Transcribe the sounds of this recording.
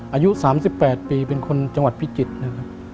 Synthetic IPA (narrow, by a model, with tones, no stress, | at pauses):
ʔaː˧ju˦˥saː˩˦msi˨˩pːɛː˨˩t̪̚piː˨˧pe˧nkʰo˧nt͡ɕa˧ŋwa˨˩t̪̚pʰi˦˥t͡ɕi˨˩t̪̚na˦˧kʰa˦˥p̚